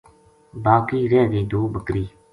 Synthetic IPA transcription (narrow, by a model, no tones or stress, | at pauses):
baːkiːɾɛːɡ̪iːd̪oːbəkɾiː